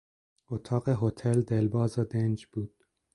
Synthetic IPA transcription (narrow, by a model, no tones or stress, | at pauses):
ot̪ʰɑːɢeɦot̪ʰeld̪elbɒːzed̪end͡ʒb̥uːd̪̥